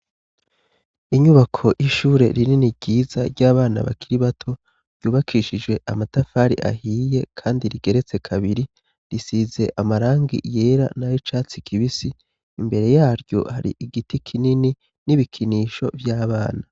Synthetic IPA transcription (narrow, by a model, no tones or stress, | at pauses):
iɲuβakʰo̞jʔiʃuːɾe̞̰ɾininiɟiːzaɾɟaːβaːna̰βa̰kiɾiβatʰo̞ | ɾj̥uːβakʰiʃid͡ʒwe̞ʔamatafaːɾḭʔa̰hiːje̞kʰaːndiɾiɡe̞ɾet͡se̞kʰaβiɾi | ɾisize̞̰ʔamaɾaːŋɡḭje̞ɾa̰najit͡ʃaːt͡sikʰiβisiː | mbe̞ɾe̞jaːɾɟo̞̰haɾḭʔiɡitikʰinini | niβikʰiniːʃo̞̰vjaːβaːna